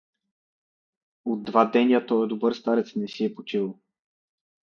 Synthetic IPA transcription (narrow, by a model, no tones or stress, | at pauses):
od̪ːvad̪ɛnʲiat̪ɔɛd̪obəɾst̪aɾɛt̪snɛsiɛpot͡ʃʲilˠ